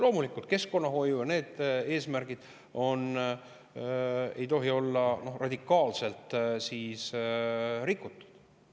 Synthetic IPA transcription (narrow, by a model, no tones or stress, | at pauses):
lo̞ːmulikːˑult̪̚ke̞sko̞nːɑɦo̞jujɑne̞ːd̪̥eːsmærɡ̥id̪̥ | o̞n | e̞jt̪o̞ɦio̞lːɑno̞hrʔɑd̪̥ʲikːˑɑːlse̞lt̪siːs | rikːˑut̪ˑːu̥d̪̥